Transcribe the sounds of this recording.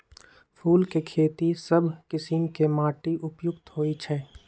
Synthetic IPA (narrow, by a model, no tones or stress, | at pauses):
pʰuːlkekʰeːt̪isəbʱkɪsimkemaːʈiʔʊpjʊkt̪ɦoːit͡ʃʰɛː